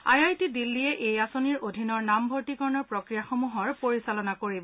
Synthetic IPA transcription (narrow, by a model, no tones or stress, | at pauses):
a̰jajtidilːijɛʔejasoniɹodʱinɔɹnambʱoɹtikɔɹnɔɹpɹokɹijaxomuɦɔɹpoɹisalɔnakoɹibɔ